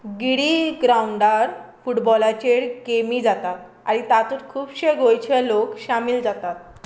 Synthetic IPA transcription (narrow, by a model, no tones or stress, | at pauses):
ɡiɽiɡɾauɳɖaɾfuʈbɔlat͡ɕeɽkemid͡zat̪at̪̚ | a̰ɾit̪at̪uɾkʰuːbɕeɡʱojt͡ɕʰelokɕamiːld͡zat̪at̪̚